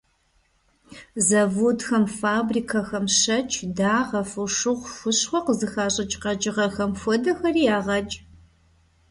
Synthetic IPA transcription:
zɐvudxɐmfaːbriːkʰɐxɐmʃɐt͡ʃʰdaːʁɐfɨʂɨʁʷfʊɕχʷɔqəzɨxaːɕʼɐt͡ʃʼqɐt͡ʃʼɪʁɐxɐmfʷɔdɐxɐriːjaːʁɐt͡ʃʼ

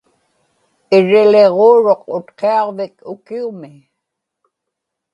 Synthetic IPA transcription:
ɪɻɪleʁoːɻoqʊt̪qeɑʁvɪkʊkiumɪ

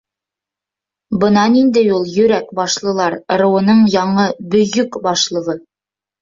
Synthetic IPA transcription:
bɤ̆nɑnind̪ɘjulˠjɵ̆ɾækbɑʃlˠɤ̆lˠɑɾɾɤ̆wɤ̆nɤɴjɑɴɤbɵ̆jɵkbɑʃlˠɤ̆ʁɤ

